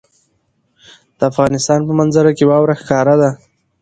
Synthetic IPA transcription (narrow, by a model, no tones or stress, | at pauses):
d̪̥əafɣɑnɪst̪ɑnpəmanzaɾakewɑwɾaxkɑɾad̪a